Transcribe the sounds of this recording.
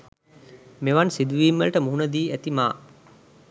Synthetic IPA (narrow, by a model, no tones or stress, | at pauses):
meʋansid̪uʋiːmːəlʈəmuɦunəd̪iːæt̪imaː